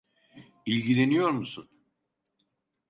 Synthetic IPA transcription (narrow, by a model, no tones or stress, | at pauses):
ilʲɟilʲe̞nijo̞ɾmusun